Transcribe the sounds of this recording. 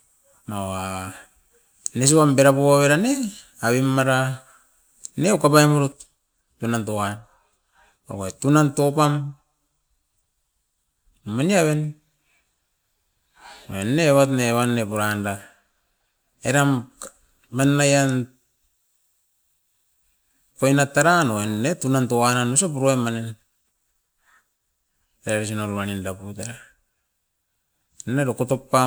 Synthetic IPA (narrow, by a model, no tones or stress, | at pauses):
mawa | nes̬uβambeɾapoaβeɾane | aβimːaɾa | neukapamuɾutː | unantoan | pa̰koetunantopam | maniaβen | enːeβatneβanːepuɾanda | eɾam | manːajan | kojnataɾanoenːetunantoananusopuɾoemanen | eɾaɾes̬inolβanindaputaɾa | neɾokotopːa